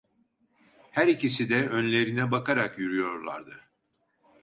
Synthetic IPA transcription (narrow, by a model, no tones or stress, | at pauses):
hæɾicisid̪ɛønlʲe̞ɾinɛbakʰaɾakjyɾyjo̞ɾlˠa̰ɾd̪ɯ